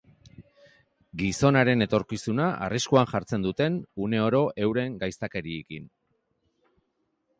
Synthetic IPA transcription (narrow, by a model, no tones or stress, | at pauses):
ɡiso̞naɾe̞ne̞t̪o̞ɾkisunaʔa̰riskuanʝaɾt͡se̞nd̪ut̪e̞nune̞o̞ɾo̞ʔe̞wɾe̞ŋɡajst̪ake̞ɾie̞kin